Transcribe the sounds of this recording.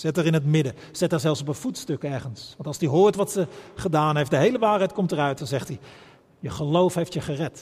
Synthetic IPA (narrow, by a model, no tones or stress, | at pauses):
z̥ɛtəɹɪnɦətmɪdə | z̥ɛtəɹzɛlˠfsɔpəv̥utstɵkɛɹχənsʋɑntɑlˠsdiɦʊːɹtʋɑtsəχədaːnɦejfdəɦejləʋaːɹɦɛjt̚kɔmtərœɥt̚dɑnzɛχti | jəχəlowfɦejftjəχərɛt